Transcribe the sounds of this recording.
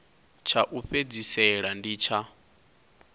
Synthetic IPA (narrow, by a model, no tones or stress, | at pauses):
t͡ʃʰaʔuɸed͡zisɛɺandiːt͡ʃʰa